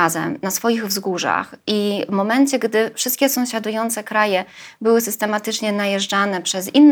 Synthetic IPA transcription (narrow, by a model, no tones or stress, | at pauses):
azɛ̰mnasfɔjiɣvzɡuʐa̰xivmɔmɛnt͡ɕɛɡd̪ɘfʂɘst̪̚kʲɛsɔ̃w̃ɕad̪ujɔnt̪sɛkɾajɛbɘwɘsɘst̪ɛmat̪ɘt͡ʂɲɛnajɛʐd͡ʐanɛpʂɛzinː